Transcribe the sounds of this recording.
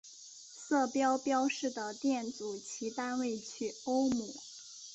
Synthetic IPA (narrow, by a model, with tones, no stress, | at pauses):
sɤ˥˩pjɑ˥ʊpjɑ˥ʊʂɻ̩˥˩d̪ə˩t̪jɛ˥˩nt͡su˨˩t͡ɕʰi˧˥t̪a˥nwe˥˩ɪt͡ɕʰy˥˩o˥ʊmu˨˩˦